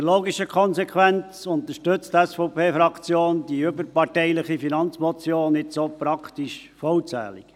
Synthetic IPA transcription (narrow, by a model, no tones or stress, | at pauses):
loːɡiʃəkʰɔnsɛkʰʋænt͡sʊnt̪əɾʃtʏt͡stɛsfɔʊpʰeːfɾɑkt͡sjoːndiʏbəɾpɑɾtɛɪlɪχifinɑnt͡smɔt͡sjoːnɪsopɾɑkʰt̪iʃfɔwt͡sæ̰ːlḭk